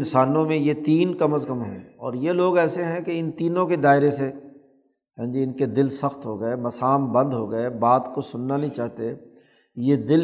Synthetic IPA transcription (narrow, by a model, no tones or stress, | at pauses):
nsaːnõmẽjet̪iːnkɐməsɡəmɦõ̰ːɔ̰ːɾjeloːɡɛːseɦɛ̃keɪnt̪iːnõked̪aːɪɾese | ɦə̃ːd͡ʒiɪnked̪ɪlsɐxt̪ɦoɡəemɐsaːmbɐ̃nd̪ʱɦoɡəebaːt̪kosʊnːanɐɦĩt͡ʃaːɦt̪e | jed̪ɪl